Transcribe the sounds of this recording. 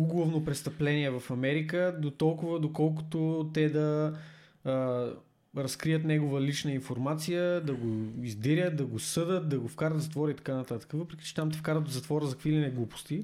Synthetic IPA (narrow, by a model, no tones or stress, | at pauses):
uɡlˠovnopɾɛst̪ɐplɛniɛvɐfɐmɛɾikəd̪ot̪ɔlˠkʊvəd̪okɔlˠko̥t̪ot̪ɛd̪ɐ | ɾɐskɾiət̪nɛɡovəlit͡ʃnəinfoɾmat̪sijəd̪ɐɡoizd̪ɛɾʲət̪̚d̪ɐɡosɤd̪ət̪̚d̪ɐɡofkaɾət̪zɐt̪vɔɾəit̪ɐ̥kanɐt̪at̪ə̥kəvɤpɾɛkʲi̥t͡ʃɛ̥t̪amt̪ɛfkaɾvət̪ozɐt̪vɔɾəzɐkvilinɛɡlˠupo̥st̪i